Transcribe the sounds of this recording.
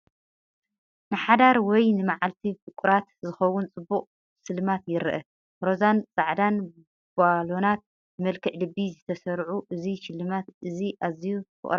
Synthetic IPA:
nɨħad̪aɾwɔjnɨmaʕalt̪ʰifɨkʷʼuɾat̪zɨxɐwʊnt͡sʼɨbːuχʼ | sɨlːɨmat̪jɪɾʔɐ | ɾo̞zant͡sʼaʕd̪an | b̥alo̞nat̪̚ | bɨmɐlkʰɨʕlɨbːizɨt̪ʰɐsɐɾʕuʔɨziʃɪlːɨmat̪ʔɨziʔazijufʰɨ̰ʔʼɾa

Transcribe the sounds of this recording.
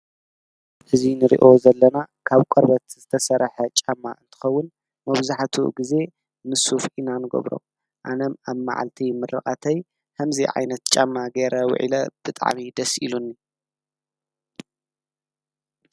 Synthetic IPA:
ʔɨzinɨɾḭʔo̞zɐlːɐnakʰaβkʼɐɾbɐt̪z̥ɨt̪ʰɐsɐɾħɐt͡ʃʼamːaʔɨnt̪ʰɨ̥xɐwːʊn | mɐβzaħt̪ʰṵɡize̞ | mɨsufʔinanɨɡɐ̰βɾo̰ | ʔa̰nɐmaβma̰ʕa̰lt̪ʰimɨrːɨ̰kʼat̪ʰɐj | hɐmziʕa̰jnɐt̪t͡ʃʼa̰mːaɡeɾʔɐwʊ̰ʕḭlɐb̥ɨt̪ʼa̰ʕmid̪ɐsʔḭlunːi

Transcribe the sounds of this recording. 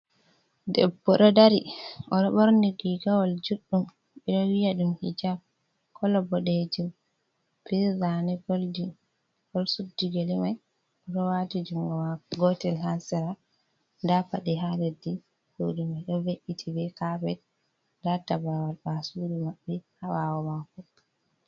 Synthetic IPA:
dɛbːɔɗɔdaɾiʔɔɗɔɓɔɾniɡiɡawɔld͡ʒuɗːum | ɛɗɔwijaɗumhḭd͡ʒa | kʰɔlɔbɔɗed͡ʒum | pizanɛɡoldi | ɡɔlsudːiɡelimaj | ɔɗɔwatid͡ʒumɡɔmaɡɔtɛlhansɛɾa | dapaɗiɦaledːi | d͡ʒodimajɗɔveʔitʰibɛkabɛ | databawalbasuːɾimaɓːɛhawawɔmakɔ

